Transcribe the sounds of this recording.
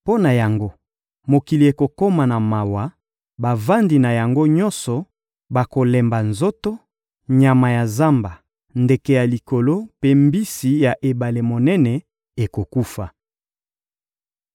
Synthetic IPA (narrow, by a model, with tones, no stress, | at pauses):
po˦na˨ja˨ŋɡo˦ | mo˨ki˨li˨e˨ko˨ko˦ma˨na˨ma˨wa˨ | ba˨va˦ndi˨na˨ja˨ŋɡo˦ɲɔ˦nsɔ˨ | ba˨ko˨lɛ˨mba˨nzo˦to˦ | ɲa˨ma˨ja˨za˦mba˨ | nde˨ke˨ja˨li˨ko˨lo˦pe˦mbi˦si˨ja˨ʔe˨ba˨le˨mo˨nɛ˦nɛ˨ | e˨ko˨ku˦fa˨